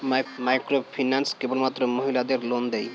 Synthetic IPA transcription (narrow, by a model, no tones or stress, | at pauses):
majkɾopʰinanskebolmat̪ːɾomoɦilad̪eɾlond̪ej